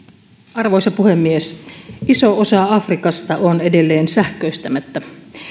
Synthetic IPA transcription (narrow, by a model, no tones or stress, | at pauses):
ɑrʋojsɑpuhe̞mːiesiso̞osɑɑfrikɑst̪ɑʔonedelːe̞ːnsæhk̟øyst̪æmæt̪ːæ